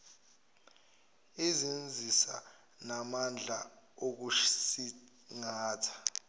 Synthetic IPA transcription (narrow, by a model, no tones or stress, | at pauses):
izind͡zʱisa̰ | namand͡ɮʱa | ok̬usi | ŋaːtʰḁ